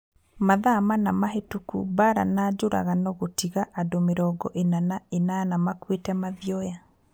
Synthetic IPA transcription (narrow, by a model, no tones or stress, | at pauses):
maðamanamaɦetukṵbaɾa̰nad͡ʒoɾʔa̰ɣanɔɣotiɣaʔadomeɾɔɡɔʔenanaenanamakwetɛmaðjɔja